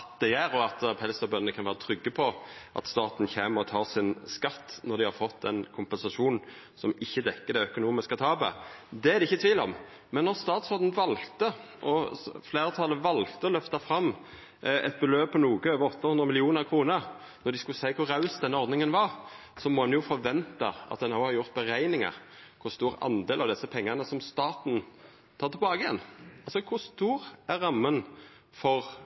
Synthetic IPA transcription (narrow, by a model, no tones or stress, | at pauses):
d̪ɛjæːɾɔɑt̪pʰɛlst̪ɔbœnnəkʰɑnʋæːʁət̪ʰɾʏɡːəpʰɔʔɑ̰t̪st̪ɑːt̪n̩çeːməɔt̪ʰɑːsɪnskɑt̪ːnɔʁd̪ɪhɑɾfɔt̪ːd̪ɛnkʰʊmpɛnsɑʂuːnn̩ | sɔmɪçːəd̪ɛkːəɾd̪ɛœkʊnuːmɪskət̪ʰɑːbɛ̰d̪ɛæɾd̪ɛɪçːət̪ʰʋiːlɔ̰m | mɛnːɔʁst̪ɑːt̪sɔʁd̪n̩ʋɑlt̪ə | ʔɔfleːʁət̪ʰɑlːəʋɑlt̪əɔlœft̪ɑfɾɑmː | ɛ̰t̪̚bəløːb̚pʰɔnuːɡəøːʋəɾɔt̪ːɑhʉnd̪ʁəmɪlɪuːnəɾkʰʁuːnəɾ | nɔd̪ɪskʉlsæɪkʰʊʁɑʉsd̪ɛnːəɔɾd̪nɪŋənʋɑɾ | sɔmɔɑnjʊfɔɾʋɛnt̪ɑ̰ʔɑ̰t̪̚d̪ɛnːoʊhɑɾjʊʁt̪̚bəɾæɪnɪŋɑ̰ɾ | kʰʊst̪uːɾɑ̰nd̪eːlɑʋd̪ɛsːəpʰɛŋːənəsɔmst̪ɑːt̪n | t̪ʰɑːʁt̪ʰɛlbɑːɡəjɛ̰nːɑlsɔkʰʊst̪uːɾæɾɑmːən | fɔɾ